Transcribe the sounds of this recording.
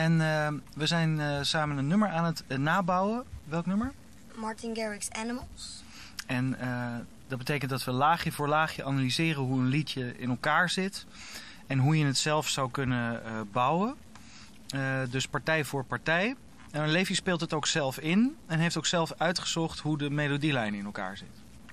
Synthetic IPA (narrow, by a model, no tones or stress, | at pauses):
ɛnʋəzɛjnsaːmənənːɵməɹaːnətnaːbɑwəʋɛlˠknɵməɹ | mɑɹtɪnɡɛɹɪksɛnəməlˠs | ɛn | dɑd̚bətejkəntdɑtʋəlaːχjəvʊːɹlaːχjəanalizɪːrənɦuənlitjəɪ̰nɛlˠkaːɹzɪt | ɛnɦujənətsɛlˠfsɑwkɵnəbʌwə | dɵspɑɹtɛjvʊːɹpɑɹtɛj | ɛnənlejvjəspɪːlˠtətowksɛlˠfɪnɛnɦejftowksɛlˠfœɥtχəz̥ɔχtɦudəmejlodilɛjnɪnɛlˠka̰ːɹzɪ̰t